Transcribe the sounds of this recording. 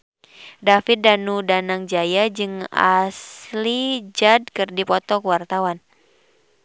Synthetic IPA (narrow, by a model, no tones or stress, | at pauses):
dafɪt̪̚danudanaŋd͡ʒajad͡ʒɨŋa̰slid͡ʒad̚kɨrdipɔt̪ɔkwart̪awan